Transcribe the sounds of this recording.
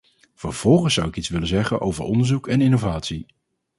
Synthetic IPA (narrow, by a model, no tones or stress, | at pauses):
v̥əɹv̥ɔlˠχənsːʌwɪkitsʋɪlənzɛχə̰nʔo̰wvəɹɔndəɹzukɛnɪnowvaːtsi